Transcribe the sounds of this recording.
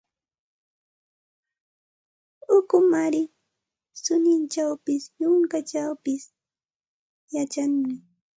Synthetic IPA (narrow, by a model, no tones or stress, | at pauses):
ʊkʊmaɾɪ | sʊnɪnt͡ʃawpɪsjʊŋkat͡ʃawpɪs | jat͡ʃaŋmɪ